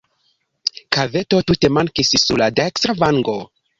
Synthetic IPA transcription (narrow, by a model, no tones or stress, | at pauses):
kave̞to̞tute̞maŋkissuɾladekstɾavaŋɡo